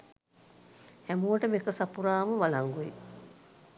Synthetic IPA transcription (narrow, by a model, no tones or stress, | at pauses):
hæmuwəʈəmekəsapuɾaːməʋalaŋɡuḭ